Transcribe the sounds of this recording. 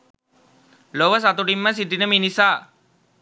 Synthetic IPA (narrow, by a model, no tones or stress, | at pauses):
loʋəs̬at̪uɖimːəs̬iʈinəminisaː